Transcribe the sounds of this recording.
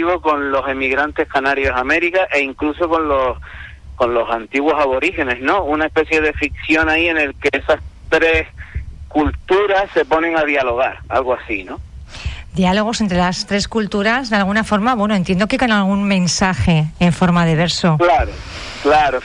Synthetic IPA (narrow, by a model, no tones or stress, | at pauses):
iβoko̞nlo̞se̞miɣɾant̪e̞hkanaɾjo̞same̞ɾikaʔe̞iŋkluso̞ko̞nlo̞s | ko̞nlo̞sant̪iɣwo̞saβo̞ɾihe̞ne̞ɦnõ̞unaehpe̞θje̞ðe̞fikθjo̞ŋaie̞ne̞lkeesast̪ɾe̞hkult̪uɾasse̞po̞nẽ̞ŋaðjalo̞ɣ̞aɾa̰lɣoasino̞ | d̪ialo̞ɣ̞o̞sent̪ɾe̞last̪ɾe̞skult̪uɾazðealɣ̞unafo̞ɾmaβwenoent̪je̞nd̪okeko̞nalɣ̞uŋmẽ̞nsaxe̞ːɱfo̞ɾmaðe̞βe̞ɾso̞klaɾo | klaɾo